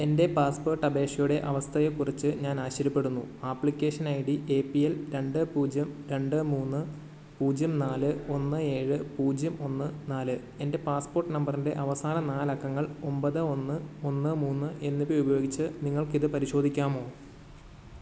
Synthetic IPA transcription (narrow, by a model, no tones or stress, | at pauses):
e̞nde̞paːspo̞ːrʈːɐbe̞ːʂɐjuɽe̞ʔɐʋɐst̪ʰɐjekurit͡ɕːɨɲaːnaːɕɐɾɐpːe̞ɽunːuaːpːɭikʲːe̞ːʂɐnajiɽie̞ːpːijelɾe̞ɳɖɨpuːd͡ʑjɐmɾe̞ɳɖɨmuːnːɨ | puːd͡ʑjɐmnaːlɨo̞nːɨe̞ːɻɨpuːd͡ʑjɐmo̞nːɨnaːlɨ | e̞nde̞paːspo̞ːrʈːɨnɐmbɐrinde̞ʔɐʋɐsaːnɐnaːlɐkːɐŋːɐɭo̞mbɐðɨo̞nːɨo̞nːɨmuːnːɨʔe̞nːipːoubɐjo̞ːɡit͡ɕːɨniŋːɐɭkiðɨpɐɾiɕo̞ːd̪ʱikʲːaːmo̞ː